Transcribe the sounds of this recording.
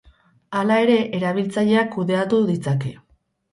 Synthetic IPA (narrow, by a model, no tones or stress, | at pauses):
alae̞ɾe̞ʔeɾaβ̞ilt͡saʎe̞akːuðe̞at̪uðit͡sake̞